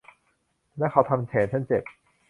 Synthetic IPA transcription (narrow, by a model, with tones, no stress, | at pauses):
lɛː˦˥˩kʰa˨˦wt̪ʰa˧mt͡ɕʰeː˩˦nt͡ɕʰa˥˩nt͡ɕe˨˩p̚